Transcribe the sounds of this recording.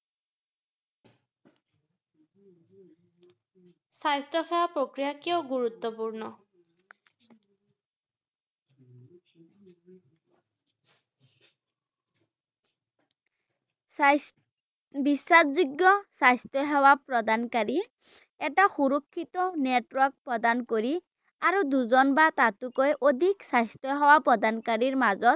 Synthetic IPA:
sajstɔxɛwapɹokɹijakiɔʊɡuɹut̪ːɔpuɹnɔ | bisːazuɡːɔsajstɔɦɔwapɹɔd̪ankaɹi | ɛtaxuɹɔkʰːit̪ɔnetwɔɹk̚pɹɔd̪ankoɹi | aɹuduzɔnbat̪atukɔjʔod̪ʱiksajstɔɦɔwapɹɔdankaɹiɹmazɔt̪̚

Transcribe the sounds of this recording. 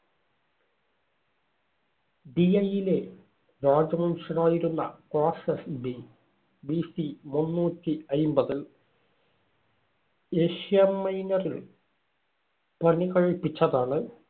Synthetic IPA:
ɖiɐjile̞ | ɾaːd͡ʑɐmɐnuʂɐnaːjiɾunːɐ̰koːsesbi | biːsimunːuːtːiɐjmbɐðil | eːʂijɐmːɐjnɐril | pɐnikɐɻipːit͡ɕːɐðaːɳɨ

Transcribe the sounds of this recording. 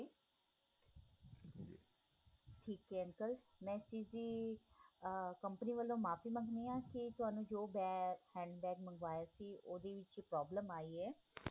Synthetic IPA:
ʈʰiːkɦɛːəŋkəl | mɛ̃ːsiːziː | kəmpəniːʋəlːõːmaːpiːməŋɡʱneːãːkɪt̪ʊɦaːnũːd͡ʒoːbɛːhɛ̃ːɳɖbɛːkmə̃ŋɡʋaːjaːsiːoːd̪eːʋɪt͡ʃːpɾɔːbləmaːiːɛː

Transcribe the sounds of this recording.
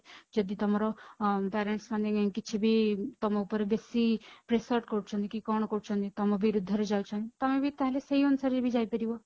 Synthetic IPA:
d͡ʒɔd̪it̪ɔmaɾɔpɛɾeɳʈsmand̪eɡɛ̃kit͡ʃʰibʱit̪ɔmɔupəɾebesipɾesəɾʈkɔɾut͡ʃʰɔ̃nd̪ikikɔɳ̃kɔɾut͡ʃʰɔnd̪it̪ɔmɔbiɾud̪ʱːɔɾed͡ʒaut͡ʃʰɔnt̪it̪ɔmẽbʱit̪ãɦleseɦiɔnsaɾebʱid͡ʒaipəɾibɔ

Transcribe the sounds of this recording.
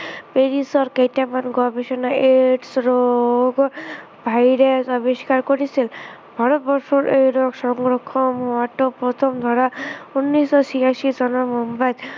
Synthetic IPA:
peɾisɔɾkejʈamanɡɔbeʃɔnaeʈsɾɔɡɔ | bʱajɾesɔbiʃi̥kaɾkɔɾisʰil | bʱɔɾɔt̪̚bɔɾsɔɾʔejɾɔksɔŋɡɾɔkʰːɔmɦaʈɔpɾɔt̪ʰɔmd̪ʱɔɾaunːisɔsiaʃid͡zɔnɔmɔmbad̪

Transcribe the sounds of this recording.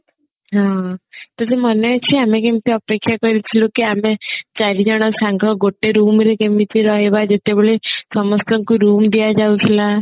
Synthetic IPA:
ɦãt̪ɔseməneat͡ɕʰiamẽkemt̪iəpekʰjakɔɾit̪ʰilũkiamẽt͡ʃaɾid͡ʑaɽ̃asaŋɡɔɡoʈːeɾuːmɾekemit̪iɾɔɦebad͡ʒet̪eboɭesɔmɔst̪ɔŋkuɾumd̪ijad͡ʒaut̪ʰla

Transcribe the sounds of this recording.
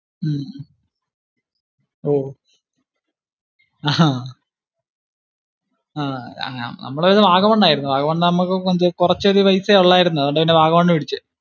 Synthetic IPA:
oː | aa | a̰ːnɐ̰mːɐɭeʋiːðɐʋaːɡɐmɐɳɖaːjiɾunːuʋaːɣɐmɐɳːɖɨnɐmːukːɨkond̪ɨkurɐt͡ɕːoðiʋɐjseoɭːaːjiɾunːuðʋɐɳɖɐpinːeʋaːɣɐmɐɳːɨiɽit͡ɕːɨ

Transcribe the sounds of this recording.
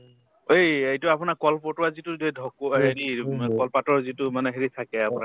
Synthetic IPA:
ejejtʊapʊnakɔlpɔtʊwazitʊdedʱɔkɦeɹikɔlpatɔɹzitʊmanɛɦeɹit̪ʰakɛapʊna

